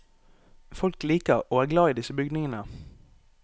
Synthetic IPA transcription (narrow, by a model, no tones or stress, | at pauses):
fɔlkliːkəʁoːæːʁɡlɑːiːd̪ɪsəbʏɡd̪nɪŋənə